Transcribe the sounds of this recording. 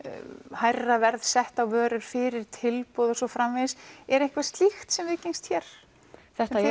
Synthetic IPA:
hajrːavɛɾðsɛht̪awvœːɾʏɾ̥fɪɾɪɾ̥t̪ʰɪlpɔðɔsɔfɾamvɪsɛɾejŋ̥kvast̪lixt̪sɛmvɪðcejnst̪çɛɾ̥ | θɛht̪a

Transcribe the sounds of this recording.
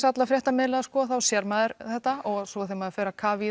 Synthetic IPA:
sat̪lafɾjɛht̪amɪːlaðaskɔθawsjɛɾmaːðɪɾθɛht̪aɔɣsɔθejmafɛːɾakʰaːvi

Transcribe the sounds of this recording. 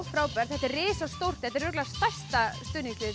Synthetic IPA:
wfɾaːwpɛɾ̥θɛht̪ɛɾrɪːsawst̪owr̥t̪hɛht̪ɛɾvʏːklast̪ajstt̪ast̪ʏːnilɪ

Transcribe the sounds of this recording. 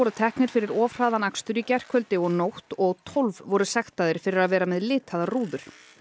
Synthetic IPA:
ɔɾʏt̪ʰɛhknɪɾ̥fɪɾɪɾɔːvr̥aːðanakst̪ʏɾicɛr̥kʰvœlt̪ɪɔɣnowht̪ɔɣt̪ʰɔlvvɔɾʏsɛxt̪aðɪɾ̥fɪɾɪɾaðvɛːɾamɛðlɪːt̪ʰaðaruːðʏɾ̥

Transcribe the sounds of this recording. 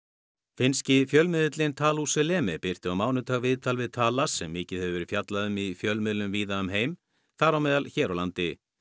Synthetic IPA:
fɪnscɪfjœlmɪðɪt̪lɪnt̪ʰaːlusʏlɛːmɛpɪr̥t̪ɪawmaːwnʏt̪ʰaːɣvɪðt̪ʰalvɪðt̪ʰaːlasɛmːɪːcɪðhɛvʏvɛɾɪðfjat̪laðʏmifjœlmʏðlʏmviːðaʏmɦeːjm | θaɾawmɛːðalçɛːɾawlant̪ɪ

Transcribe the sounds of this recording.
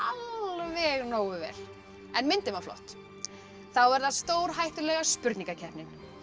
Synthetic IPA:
alvɛɣnoːwʏvɛ̰ːɾ̥ | ɛnmɪnt̪ɪmawflɔ̰ht̪ | θawɛɾðaðst̪oːwɾ̥ɦajht̪ʏlɛɣaspʏɾt̪niŋkacʰɛhpnɪn

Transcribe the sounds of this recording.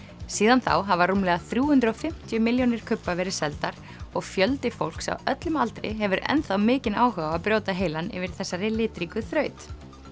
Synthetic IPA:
siːðanθa̰wɦavarumlɛɣaθɾjuːhʉnt̪ɾɔfɪm̥t̪jʏmɪljonɪɾ̥kʰʏpːavɛɾɪ̥sɛlt̪aɾ̥ | ɔɣfjœlt̪ɪfowl̥ksa̰wœt̪lʏmalt̪ɾɪ̰ɦɛvʏɾɛ̰nθawmɪːcɪnaːwhœɣaapɾjoːwt̪aɦeːjlanɪ̰vɪɾ̥θɛsːaɾɪlɪːt̪ɾikʏθɾœːɥt̪

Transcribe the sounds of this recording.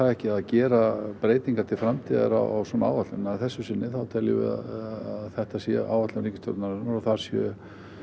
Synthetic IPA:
aðɛhcɪaðcɛːɾapɾeːjt̪niŋkaɾt̪ʰɪlfɾamt̪ʰiːða̰ɾa̰wʔawsɔnaa̰ːwvat̪lʏnɛaθɛsːʏsɪnːɪθawt̪ʰɛljɪvɪ̰ða̰aðθɛht̪asjɛa̰ːwvat̪lɪnɾiːŋcɪ̥st̪ɔ̰ɾt̪naɾnaɾaθaɾ̥sjœ

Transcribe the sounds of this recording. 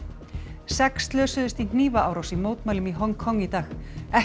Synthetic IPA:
sɛkst̪lœːsʏðɪst̪in̥niːvaaːwɾawsimoːwt̪maːjlʏmiɦɔŋkʰɔŋːit̪aːxɛ

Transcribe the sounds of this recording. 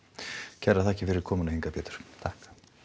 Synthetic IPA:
cʰɛraθɛhcɪfɪɾɪɾ̥kʰɔːmʏnahiŋkapjɛːt̪ʏ̥ɾ̥t̪ʰahkḁ

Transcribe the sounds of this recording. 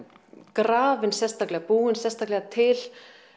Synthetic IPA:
kɾaːvɪnsɛst̪aklɛɣapuːɪnsɛst̪aklɛɣat̪ʰɪl

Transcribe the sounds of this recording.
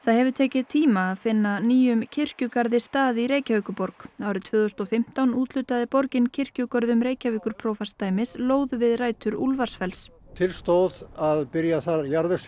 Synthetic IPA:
θaðhɛvʏɾt̪ʰɛːcɪðt̪ʰiːmaːðfɪnːaniːjʏmcʰɪr̥cʏkaɾðɪst̪aːðiɾeːjcavœːkʏpɔɾkaːwɾɪt̪ʰv̥ʏːðʏst̪ɔfɪm̥t̪awnuːt̪lʏt̪aðɪpɔɾcɪncʰɪr̥cʏkɔɾðʏmɾeːjcaviːkʏɾ̥pʰɾɔwfast̪aːjmɪsloːwðvɪðraːjt̪ʏɾulvaɾ̥sfɛls | t̪ʰɪlst̪owðaðpɪɾjaθaɾjaɾvɪs

